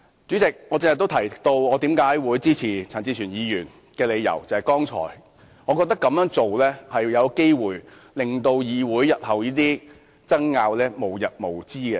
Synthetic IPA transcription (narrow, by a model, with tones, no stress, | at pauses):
t͡syː˨˥t͡sɪ˨k̚ŋɔː˨˧t͡sɪ˧ŋhɐ˨˩t̪o˥wt̪ʰɐ˨˩jt̪o˧wɔː˨˧t̪i˨˥mkaː˨˥jwuː˨˥jt͡siː˥t͡sʰiː˨˩t͡sʰɐː˨˩nt͡siː˧t͡ʃʰyː˨˩njiː˨˧jyː˨˩n | kɛː˧le˨˧jjɐ̰˨˩wt͡sɐ˨˧hɐ˨˩kɔː˥ŋt͡sʰɔ̰ː˨˩j | ŋɔ˨˧kɔː˧k̚t̪ɐ˥kːɐ˨˥mjœː˨˥ŋt͡so˨wlɛː˥hɐ˨jjɐ˨˧wke˥jwuː˨j | lɪ˨ŋt̪o˧wjiː˨˧wuː˨˥jjɐ˨t̚hɐ˨wjiː˥t̪̬iː˥ | t͡sɐ˥ŋːaː˧wlɛː˥mo˨˩wjɐ˨t̚mo˨˩wt͡siː˥kɛ˧